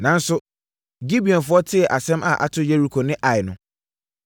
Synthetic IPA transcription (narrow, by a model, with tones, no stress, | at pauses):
nã˨n̩˦sʊ˦ | ɡi˦bi˨ɔ̃˨nfʊ˦ɔ˦tʰɪ˦ɛ˨ʔa˨sɛ̃˦mʔa˨ʔa̰˨tʰʊ˦je˦ɾi˦kʰo˨nɪ̃˦ʔa˨ɪ˨nʊ̃˦